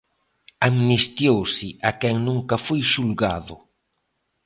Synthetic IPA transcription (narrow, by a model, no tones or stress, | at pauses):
amnist̪jowsɪʔakɛŋnuŋkafojʃulɡaðʊ̰